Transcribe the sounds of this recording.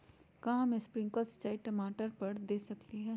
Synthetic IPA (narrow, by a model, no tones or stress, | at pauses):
kɐɦãmẽspɾɪ̃ŋɡkasɐ̥tt͡ʃːaːiʈɐmaːʈəɾpɐɾd̪eːsɐkliɦɛː